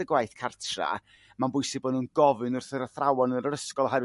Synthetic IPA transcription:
əɡwajθkʰartʰra̰ | manbʊjsɪboːdnunɡɔvɨnʊrθəɾəθrawɔnəɾəɾəskɔlˠɔɦɛɾ

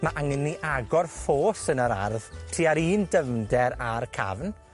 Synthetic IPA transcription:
maʔaŋənːiʔaɡɔrfoːsənəɾa̰rð̥tʰiːaɾiːndəmdɛɾarkʰa̰vn

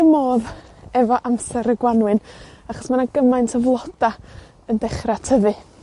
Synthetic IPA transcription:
əmoːðɛvɔʔamsɛɾəɡwanwɨnaχɔ̥smanaɡəmajntʰəvlˠɔd̥a | əndɛχratʰəvɨ

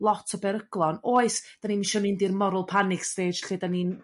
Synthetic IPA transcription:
lˠɔtʰɔbɛɾəɡ̥lˠɔnoːɨsd̥aninminʃɔmɪndirmɔɾʊlˠpʰanɪksveːd͡ʒɬidanin

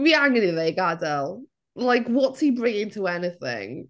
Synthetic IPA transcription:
wiaŋənɪðeɪɡadəlˠ | laɪkwɒtshibɹɪ̃ŋɪ̃ŋtʰəɛnɪθɪ̰̃ŋ

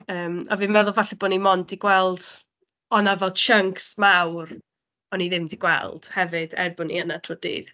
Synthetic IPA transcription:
əːmavɨmɛðʊlˠvaɬɛboːnimɔndiɡwɛlˠd̥ | ɔnavɛlˠʃəŋksmawr | ɔniðɪmdiɡwɛ̰lˠd̥hɛvɨd̥ɛ̰rbʊnḭənatʰrɔdḭːð

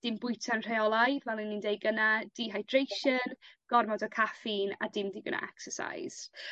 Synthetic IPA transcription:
d̥ɪmbʊjtʰanr̥ejɔlˠajvɛlˠinːindejɡənad̥iːɦajd̥rejʃənɡ̥ɔrmɔdɔkʰafina̰dɪmdiːɡə̰na̰ʔɛksəsa̰jz̥

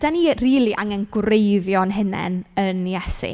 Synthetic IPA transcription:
d̥aniːriːlˠiʔaŋənɡrejðjɔnɦɪnɛ̰nənjɛsḭ

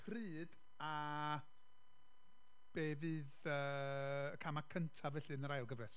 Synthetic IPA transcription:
pʰrɨːd̥ | a | b̥eːvɨːðəːkʰamakʰəntʰavɛɬɨnəɾajlˠɡəvrɛs

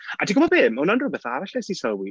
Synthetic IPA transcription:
adiɡɔmɔbeːmːananrʊbɛθaɾaɬɛsisɔlwi

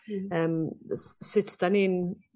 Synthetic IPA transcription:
əmssɪtʰd̥aniːn

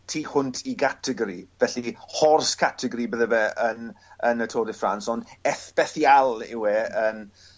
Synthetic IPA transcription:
tʰiːhʊntʰiɡatʰəɡɔɾivɛɬihɔrskʰatʰəɡɔɾibəðəvɛənənətʰoːdɪfransɔnd̥ɛθb̥ɛθjalˠɪ̰wɛən

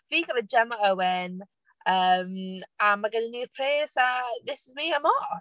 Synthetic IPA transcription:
viːɡəvəd͡ʒɛmɔɛwɪn | əːmamaɡəninirpʰreːsaðɪsɪzmiːəmɔ

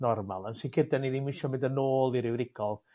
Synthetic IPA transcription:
nɔrma̰lˠənsikʰədɛnidinmɪʃɔmɪ̃ndənoːlˠiɾɪwɾɪɡ̥ɔlˠ

